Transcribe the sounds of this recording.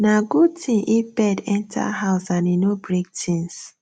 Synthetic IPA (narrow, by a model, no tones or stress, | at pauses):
naɡud̚tʰĩʔibɛdɛ̃ntʰa̰haʊsãninobɹek̚tĩns